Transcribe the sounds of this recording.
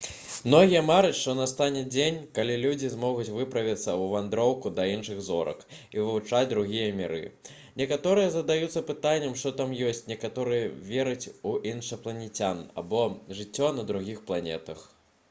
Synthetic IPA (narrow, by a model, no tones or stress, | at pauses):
mnɔɣʲijɐmaɾɨt͡sʲʂt̪ɔnɐst̪anʲɛd͡zʲenʲkalʲilʲud͡zʲizmɔɣut͡sʲvɨpɾɐvʲit̪sːɐuvand̪ɾɔwkud̪ɐinʂɨɣzɔɾɐ̰kivɨvut͡ʂad͡zʲd̪ɾuɣʲijɐmʲɛɾɨ̰ | nʲɛkat̪ɔɾɨjɐzɐd̪ajut̪sːɐpɨt̪anʲːɛmʂt̪ɔt̪amjɔsʲt͡sʲnʲɛkat̪ɔɾɨjɐvʲeɾɨt͡sʲuʔinʂɐplˠɐnʲɛt͡sʲana̰bɔʐɨt͡sʲːɔnɐd̪ɾuɣʲixplˠanʲɛ̰t̪ɐx